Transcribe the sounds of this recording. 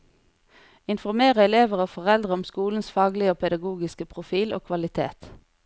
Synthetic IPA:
ɪnfɔʁmeːʁəɛleːʋəʁoːfɔʁɛld̪ʁəɔmskuːln̩sfɑːɡlɪoːpʰɛd̪ɑɡuːɡɪskəpʰʁʊfiːlo̰ːkʰʋɑlɪt̪ʰḛːt̪

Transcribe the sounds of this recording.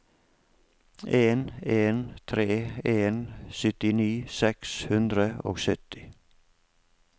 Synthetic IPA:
ʔeːneːnt̪ʰɾeːeːnsʏt̪ɪniːsɛkshʉnd̪ɾəo̰ːɡsœt̪ɪ̥

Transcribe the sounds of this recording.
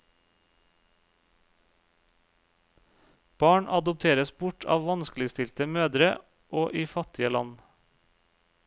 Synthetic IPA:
b̥ɑːɳʔɑd̪ʊp̚t̪ʰeːɾəsbʊʈʰɑ̰ːʋʋɑnsklɪst̪ɪlt̪əmøːd̪ɾə | ʔoːʔiːfɑt̪ɪəlɑ̰n

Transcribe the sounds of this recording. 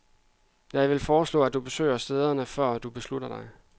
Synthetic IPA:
jɑɪʋe̝lfɒːslɔ̰ːæd̥ub̥e̝sø̰ːɪɐsd̥eːð̞ˠɐnəfɶɐ̰d̥ub̥e̝slud̥ɐd̥ɑ̈ɪ

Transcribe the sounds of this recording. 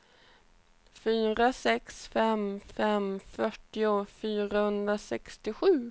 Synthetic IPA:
fyːɾasɛksfɛmfɛmfœʈːɪʊfyːɾahɵnd̪ɾasɛkst̪ɪɧʉ̟ː

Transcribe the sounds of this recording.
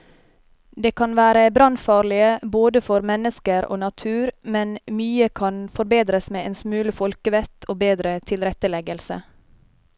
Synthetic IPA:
d̪eːkʰɑnʋæːɾəbɾɑnfɑːɾlɪəboːd̪əfɔɾmɛnəskəɾo̰ːnɑt̪ʰʉːɾmɛnmyːəkʰɑnfɔɾbeːd̪ɾəsmeːʔeːnsmʉːləfɔlkəʋɛt̪ʰoːbeːd̪ɾət̪ʰɪlɾɛt̪əlɛɡəlsə̰

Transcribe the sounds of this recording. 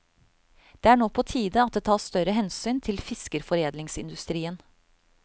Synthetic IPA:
d̪̥eːæːɳoːpʰoːt̪ʰiːd̪əɑt̪̚d̪eːt̪ʰɑːsst̪œɾəɦɛnsyːnt̪ʰɪlfɪskəɾfɔɾeːd̪lɪŋsɪnd̪ʉst̪ɾiːən

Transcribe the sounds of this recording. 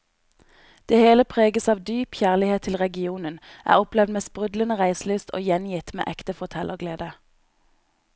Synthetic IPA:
d̪̥eːheːləpʰʁeːɡəsɑːʋd̪yːpçæːʁlɪheːt̪ʰɪlʁɛɡɪuːnənʔæ̰ːʁɔplɛʋd̪meːspʁʉd̪lənəʁæɪslyːst̪ʰo̰ːjɛnjɪt̪mḛːʔɛkt̪əfɔʁt̪ʰɛlʔəɡleːd̪ə

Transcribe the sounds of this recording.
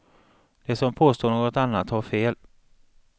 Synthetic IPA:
d̪̥ɛsɔmpʰoːst̪oːɳoːɡɔt̪anːat̪haɾfeːl

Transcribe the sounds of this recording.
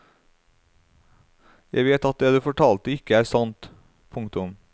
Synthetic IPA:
jæ̰ɪʋeːt̪ɑt̪̚d̪eːd̪ʉːfɔʈʰɑːlt̪əɪkəæːɾsɑnt̪ | pʰʊŋkt̪ʊm

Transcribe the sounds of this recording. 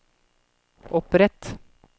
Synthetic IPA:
ʔɔpɾɛt̪

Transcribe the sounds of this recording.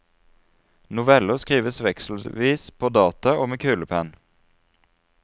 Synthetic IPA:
nʊʋɛləʁskiːʋəsʋɛksl̩ʋiːspʰoːd̪ɑːt̪ɑʔoːmeːkʰʉːləpʰæn

